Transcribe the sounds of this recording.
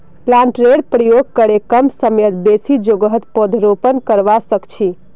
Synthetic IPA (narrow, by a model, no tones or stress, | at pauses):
lãɳʈɾeɖpɾəjoɡ̚kəɾekəmsəmjət̪besid͡ʒoɡəɦət̪pod̪ʱɾopənkəɾʋasəkt͡ʃʰi